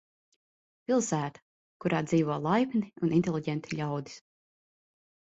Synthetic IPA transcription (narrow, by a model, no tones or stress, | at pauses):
pʲilˠsæːt̪ḁ | kuɾaːd̪ziːvɔlˠajpniunint̪ʲelˠiɟɛnt̪i̥ʎʲawd̪i̥s